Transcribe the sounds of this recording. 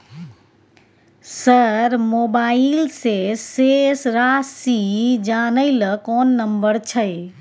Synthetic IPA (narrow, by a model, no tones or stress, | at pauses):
səɾmobailsesːesɾasid͡ʒanəɪləkɔnːəmbəɾt͡ʃʰəj